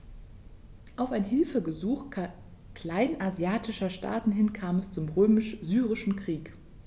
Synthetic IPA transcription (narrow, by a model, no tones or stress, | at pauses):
ʔaʊfaɪnɦɪlfəɡəzuːx | kl̥aɪnʔazjaːtʰɪʃɐʃtʰa̰ːtn̩ɦɪnkʰaːmɛst͡sʊmʁøːmɪʃzyːʁɪʃn̩kʁ̥iːk